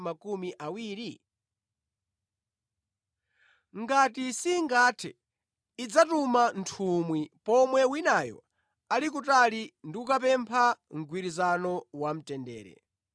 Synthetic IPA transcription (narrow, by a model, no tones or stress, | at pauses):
makumiʔawiːɾi | ŋɡatisiŋɡaːtʰɛ̰ː | d͡zatumantʰumwipɔmwɛwinajɔ̰ | alik̬utalindiukapɛmpʰaŋ̩ɡwiɾizanɔwam̩tɛndɛ̰ːɾɛ̰